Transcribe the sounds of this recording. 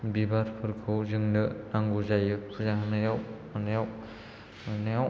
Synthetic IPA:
bibaɾpʰɯɾkʰɯwzɯŋnɯnaŋɡuzajɯpʰuzaŋɯnajaw | anajaw | najaw

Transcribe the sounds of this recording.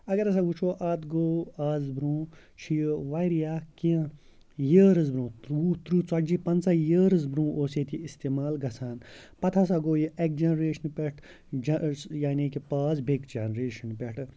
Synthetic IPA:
ɐɡɐɾɐs̬aɡut͡ʃʰoːʔaːt̪ɡoːaːzbɾũː | t͡ʃʰijʋajɾijaːkĩ | jəːɾɐzbɾũːt̪ɾut̪ɾuːt͡sɐd͡ʒipɐnt͡sajəːɾɐzbɾũːʔoːseːt̪ʰiist̪eːmaːlɡɐsʰaːnpɐt̪ʰas̬aɡoːjiek̚d͡ʒenɾeːʃɐnpʲeʈʰ | d͡ʒjaːnikipaːzbʱekd͡ʒanɾeːʃɐnpeʈʰ

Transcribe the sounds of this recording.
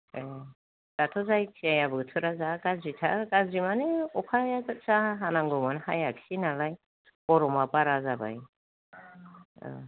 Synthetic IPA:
e | d̥atʰɔzajt͡ʃʰiajabɯtʰɯɾazakazitʰaɾkazimaneɔkʰajakt͡saɦanaŋɡumɯnhajakʰsinalaj | pɔɾɔmapaɾazaba̰j | ə̰

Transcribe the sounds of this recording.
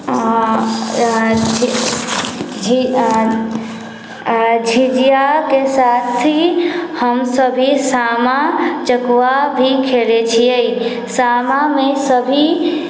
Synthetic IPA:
d͡ʒ | d͡ʒʱid͡ʒijakesaːt̪ʰihəmsəbʱisaːmat͡ʃəkwabʱikʰelet͡ʃʰiei | saːmamẽsəbʱi

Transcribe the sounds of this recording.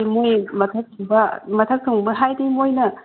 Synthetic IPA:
emujmɐtʰɐk̚tʰoŋbɐmɐtʰɐk̚tʰoŋbɐɦajdimojnɐ

